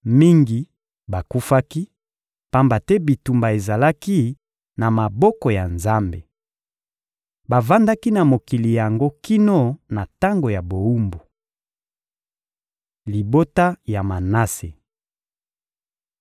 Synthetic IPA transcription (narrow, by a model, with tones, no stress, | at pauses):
mi˦ŋɡi˨ | ba˨ku˦fa˦ki˦ | pa˦mba˨tɛ˦bi˨tu˨mba˨e˨za˨la˦ki˦ | na˨ma˨bɔ˦kɔ˨ja˨nza˦mbḛ˨ | ba˨va˦nda˦ki˦na˨mo˨ki˨li˨ja˨ŋɡo˦ki˦no˦na˨ta˦ŋɡo˨ja˨bo˨u˦mbu˨ | li˨bo˦ta˦ja˨ma˨na˦se˨